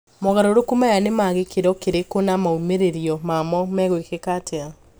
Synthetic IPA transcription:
mɔɣaɾoɾokumajanemaːɣekeɾɔkeɾekonamaumeɾeɾiɔmamɔmɛɣoekekatʰea

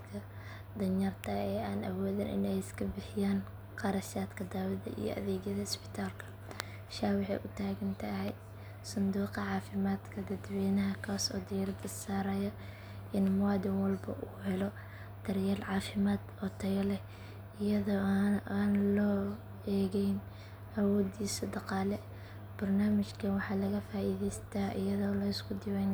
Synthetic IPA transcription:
kʰɐ | d̪ɐnɐrt̪ʰɐɛːaːnɐ̰wɔːðɐnʔɪ̰nɛjɪskʰɐbɪħɪjaːn | qɑɾɐʃaːd̪kʰɐd̪aːwɐðɐ̰ʔḭjɔ̰ʔɐ̰ðɛːɡjɐðɐɪspɪ̥t̪ʰaːlkʰɐ̥ | ʃaːwɑħɛ̰jʔʊt̪ʰaːɣɐnt̪ʰɐɦɛj | sʊnd̪uːqɑʕɑːfɪmaːd̪kʰɐd̪ɐd̪wɛːnɐɦɐkʰaːsɔ̰ːd̪ɪjɐɾɐd̪ɪsaːɾɐjɐ | ʔɪnmʊwaːd̪ɪnwɐlbɐ̰ʔuːɦɛlɔ | d̪̥ɐrjɛːlʕɑːfɪmaːd̪ɔt̪ʰɐɣɐlɛ | ɪjɐðɔaːnlɔː | ɛːɣɛjn | ʔɐwɔːd̪iːsɐd̪ɑqɑːlɛ | b̥ɐrnaːmɪt͡ʃkʰɐwɑħɑːlɐɣɐfaːʔiːðɛjst̪ʰaːʔɪ̰jɐðɔːlɐɪskʰʊd̪ɪwɛn

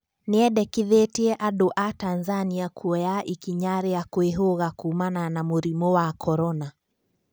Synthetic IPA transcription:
niɛɗɛkiðetiɛʔaɗoʔatanzaniakʰuɔjaʔikiɲaɾɛakweɦoɣakumananamuɾimɔwakʰɔɾɔna

